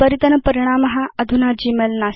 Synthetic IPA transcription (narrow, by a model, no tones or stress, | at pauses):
pəɾit̪ənpəɾiɽ̃aːmɐɦaɐd̪ʱunad͡ʑiːmelnaːs